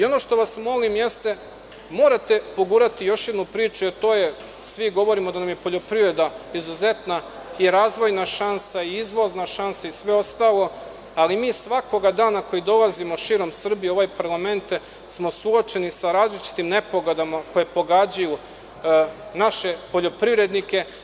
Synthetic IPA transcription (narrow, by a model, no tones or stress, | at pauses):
io̞no̞ʃt̪o̞ʋasmo̞limje̞st̪e̞ | mo̞ːɾat̪e̞poɡuːɾat̪ijo̞ʃje̞d̪nupɾiːt͡ʃujet̪o̞ːje | sʋiɡo̞ʋoɾimo̞d̪anamje̞po̞ʎo̞pɾiʋɾe̞d̪aizuze̞t̪na | iɾaːzʋo̞jnaʃansaiizʋo̞znaʃansaisʋe̞o̞st̪aːlˠo̞ | alimiːsʋako̞ɡad̪aːnako̞jid̪o̞lˠazimo̞ʃiːɾo̞msr̩bijo̞ʋajpaɾlˠame̞nt̪ | smo̞suot͡ʃenisaɾaːzlit͡ʃi̥t̪imne̞po̞ɡod̪amako̞je̞po̞ɡad͡ʑaju | naʃe̞po̞ʎo̞pɾiʋɾe̞d̪nike̞